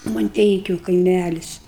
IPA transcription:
mɐnʲˈtʲɛɪkʲʊ kɐɪˈmʲælʲɪs

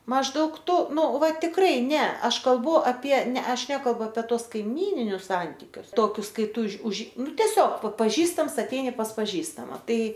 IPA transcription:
mɐʒˈdɐʊk ˈtʊ ˈnʊ ˈʋɐ tʲɪkˈrɐɪ ˈnʲɛ ˈɐʃ kɐlˠˈbʊ ɐpʲiɛ ˈnʲɛ ˈɐʃ ˈnʲæːkɐlˠbʊ ɐpʲɛ ˈtuɔs kɐɪˈmʲiːnʲɪnʲʊs ˈsɐnʲtʲɪkʲʊs ˈtoːkʲʊs ˈkɐɪ ˈtuː uːʃ ʊʃ ˈnʊ tʲɛˈsʲoːk pɐ pɐˈʒʲiːstɐms ɐˈtʲɛɪnʲɪ pɐs pɐˈʒʲiːstɐmɐ ˈtɐɪ

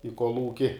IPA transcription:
ɪ koːlˠˈuːkʲɪ

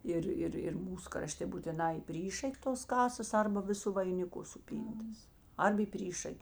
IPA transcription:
ˈɪr ˈɪr ɪr ˈmuːs krɐˈʃʲtʲeː buːtʲɪˈnɑː iː ˈpʲrʲiːʃɐkʲ toːs ˈkɑːsɐs ˈɐrbɐ ˈʋʲɪˌsʊ ʋɐɪnʲɪˈkʊ sʊˈpʲiːntɐs ˈɐrp iː ˈpʲrʲiːʃɐkʲ

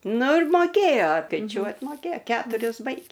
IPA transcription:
ˈnʊ ɪr ˈmoːkʲeːjoː skɐɪˈt͡ʃʲuɔt moːˈkʲeːj ˈkʲæːtʊrʲɪs ˈbɐɪɡʲeː

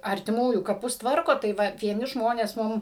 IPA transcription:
ɐrʲtʲɪˈmuːjuː kɐˈpʊs ˈtʋɐrkoː tɐɪ ˈʋɐ ʋʲiɛˈnʲɪ ˈʒmoːnʲeːs ˈmʊm

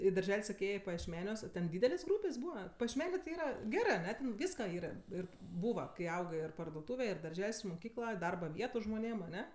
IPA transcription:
iː dɐrʲˈʒʲɛlʲ ˈsɑːkʲeː ˈeːjeː pɐjiɛʃʲˈmʲæːnʲuɔs oː tʲɛn ˈdʲiːdʲɛlʲeːsʲ ˈɡruːpʲeːsʲ ˈbuːʋɐ pɐjiɛʃʲˈmʲæːnʲeː tʲɪ ˈiːrɐ ˈɡʲæːrɜ ɐˈnʲɛ ˈtʲɛn ˈʋʲiːskɐ ˈiːrɐ ˈɪr ˈbuːʋɐ kɐɪ ˈɐʊɡɜ ɪr pɐrduɔˈtuːʋʲɛ ɪr dɐrʲˈʒʲɛlʲsʲ ɪr mʊˈkʲiːklˠɐ ˈdɐrbɐ ˈʋʲiɛtʊ ʒmoːˈnʲeːm ɐˈnʲɛ

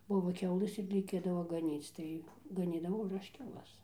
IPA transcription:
ˈbʊʋoː ˈkʲɛʊlˠɘs ɪr rʲɛɪˈkʲeːdɐʋoː ɡɐˈnʲiːt͡s ˈtɐɪ ɡɐˈnʲiːdɐʋɐʊ ɪr ˈɐʃ kʲɛʊˈlˠɐs

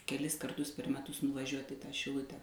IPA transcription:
kʲɛˈlʲɪs kɐrˈtʊs pʲɛr mʲɛˈtʊs nʊʋɐˈʒʲuɔtʲɪ ɪ ˈtɐ ʃʲɪˈlˠʊtʲɛ

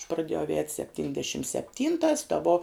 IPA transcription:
ɐʃ prɐˈdʲeːjɛʊ ˈɛːtʲ sʲɛpʲˈtʲiːnʲdʲɛʃʲɪm sʲɛpʲˈtʲiːntɐs tɐ ʋoː

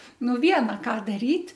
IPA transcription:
ˈnʊ ˈʋʲiɛnɐ ˈkɑː dɐˈrʲiːtʲ

